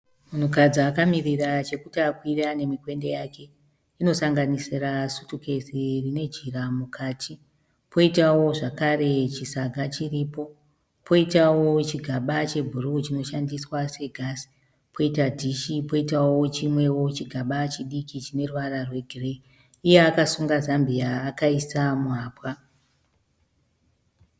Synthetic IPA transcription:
munukad͡ziakamirirat͡ʃe̞kutakwirane̞mikwe̞nde̞jake̞ | ino̞saŋɡanisirasutuke̞sirine̞d͡ʒiramukʰaːtʰi | pʰo̞itawo̞ʐakaɾe̞t͡ʃisaɡʱat͡ʃiriːpo̞ | pʰo̞itawo̞t͡ʃiɡʱaɓat͡ʃe̞bʱurut͡ʃino̞ʃandiswase̞ɡʱasi̥ | pʰo̞itadʱiʃipo̞itawot͡ʃimwe̞wo̞t͡ʃiɡʱaɓat͡ʃiɗikit͡ʃine̞ruʋararwe̞ɡʱire̞ː | jeakasuŋɡazambiaːkaisamuaːpwa

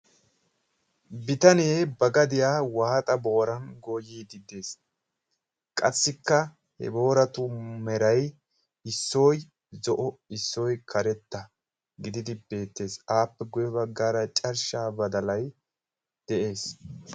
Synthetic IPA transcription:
bɪt̪ɐneːbɐɡɐd̪ɪjaːwaːt̪ʼɐbo̞ːɾɐnɡoːjiːd̪ɪd̪e̞ːs | kʼɐsːɪkːɐ | hɛ̰bo̞ːɾɐt̪ʊmɛɾɐj | ɪsːoːj | zɔʔɔɪsːɔjkʰɐɾɛt̪ːɐ | ɡɪd̪ɪd̪ɪbe̞ːt̪ːe̞ːsaːpːɛɡʊjɔbɐɡːaːɾɐt͡ʃʼɐɾʃaːbɐd̪ɐlɐj | d̪̥ɛʔe̞ːs

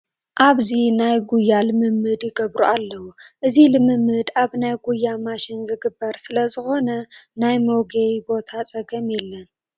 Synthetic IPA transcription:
ʔaβzinajɡujːalɨmɨmːɨd̪jɪɡɐβɾuʔalːɐwuʔɨzilɨmɨmːɨd̪aβnajɡujːamaʃɪnzɨɡɨbːɐɾsɨlɐzɨxo̞nɐnajmo̞ɡejbo̞t̪ʰat͡sʼɐɡɐmjɛlːɐn

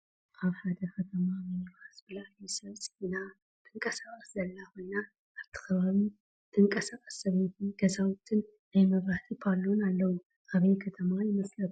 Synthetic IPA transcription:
ʔaβħad̪əkʰɐt̪ʰəmamɨniβasbɨlajesɐβsʼɨina | t̪ʰɨŋkʼəsakʼəszɐlːaho̞jna | aɾt̪ʰə̥kʰəβaβi | t̪ʰɨŋkʼəsakʼəsːɐβet̪ʰɨɡɐzawt̪ʰːɨn | najməβɾaht̪ʰipʰalːonalːəwu | ʔaβejkʰɐt̪ʰəmajɪməslət̪

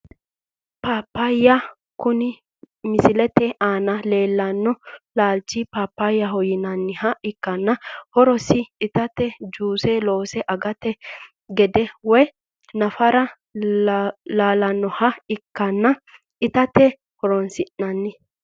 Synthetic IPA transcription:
paːpːajɐ | kʊnɪ | mɪsɪlɛt̪ɛaːnɐle̞ːlːɐnːɔlaːlt͡ʃːipaːpːajːɐɦɔjɪnɐnːɪhɐɪkːɐnːɐhɔɾɔsɪːt̪ɐt̪ɛd͡ʒuːsɛlo̞ːsɛʔɐɡɐt̪ɛ | ɡɛd̪ɛwɔj | nɐfɐɾɐ | laːlɐnːɔhɐɪkːɐnːɐ | ɪt̪ɐt̪ɛ | hɔɾɔnsɪnːɐnːɪ

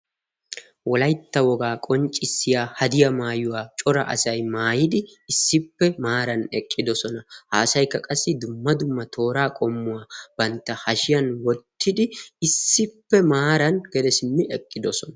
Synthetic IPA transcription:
wɔlɐjt̪ːɐwɔɡaːkʼɔnt͡ʃʼːɪsːɪjaːhɐd̪ɪjɐmaːjʊwaːt͡ʃʼɔɾɐ̰ʔɐ̰sɐjmaːjɪd̪ɪɪsːɪpːɛmaːɾɐnɛkʼːɪd̪ɔsɔnɐhaːsɐjkːɐkʼɐsːɪd̪ʊmːɐd̪ʊmːɐt̪ʰo̞ːɾaːkʼɔmːʊwaːb̥ɐnt̪ːɐhɐʃɪjɐnwɔt̪ːɪd̪ɪɪsːɪpːɛmaːɾɐnɡ̥ɛd̪ɛsɪnːɪɛkʼːɪd̪ɔsɔnɐ

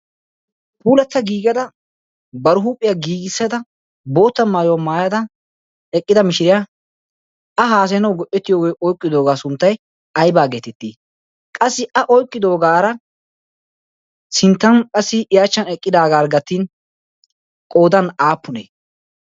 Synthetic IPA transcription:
puːlɐt̪ːɐɡiːɡɐd̪ɐ | bɐɾʊɦuːpʼɪjaɡiːɡɪsːɛd̪ɐ | bo̞ːt̪ːɐmaːjomaːjɐd̪ɐ | ɛkʼːɪd̪ɐmɪʃɪɾɪja | ɐɦaːs̬ɛnɐwɡɔʔɛt̪ːɪjo̞ːɡejʔɔjkʼːɪd̪o̞ːɡaːsʊnt̪ːɐj | ɐjbaːɡeːt̪ɛt̪ːiː | kʼɐsːɪɐʔɔjkʼːɪd̪o̞ːɡaːɾɐ | sɪnt̪ːɐnkʼɐsːɪɪjaːt͡ʃːɐnɛkʼːɪd̪aːɡaːɾɡɐt̪ːin | kʼo̞ːd̪ɐnaːpːʊnḛː

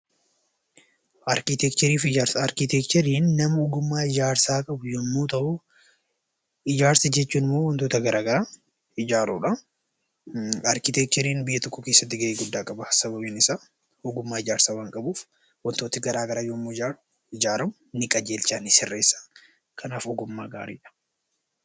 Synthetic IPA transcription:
ʔɐɾkɪt̪ɛkt͡ʃ̪ɛɾiːfɪaɾɐɾkɪt̪ɛkt̪ɛɾiːnːɐmɐʊɡʊmːaːɪd͡ʒaːɾsaːkʼɐbʊjɔmːuːt̪ɐʔʊ | ɪd͡ʒaːɾsɐd͡ʒɛt͡ʃːuːnɪmːoːwɐnt̪oːt̪ɐɡɐɾʔaːɡɐɾaː | ɪd͡ʒaːɾṵːᶑɐ | ɐɾkɪt̪ɛk̚t̪ɛɾiːnbɪjːɐt̪ɔkːɔke̞ːsːɐt̪ːɪɡɐʔeːɡʊd̪ːaːkʼɐbɐsɐbɐbeːnɪsaː | ʊɡʊmːaːɪd͡ʒaːɾsaːwaŋkʼɐbuːf | wɐnt̪o̞ːt̪ɪɡɐɾaːɡɐɾaːjɔmːuɪd͡ʒaːɾʊ | ɪd͡ʒaːɾɐmʊnɪkʼɐd͡ʒeːlt͡ʃaːnɪsɪrːeːsːḁ | kʰɐnaːfʊɡʊmːa̰ːɡa̰ːɾḭːᶑɐ̥

